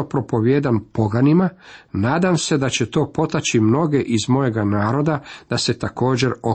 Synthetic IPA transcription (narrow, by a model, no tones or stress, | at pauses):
opɾo̞po̞ʋjeːd̪anpo̞ɡanimanaːd̪amse̞d̪at͡ɕet̪o̞ːpo̞t̪at͡ɕimno̞ɡe̞ʔizmo̞je̞ɡanaːɾo̞d̪ad̪̥ase̞t̪ako̞ːd͡ʑe̞ɾo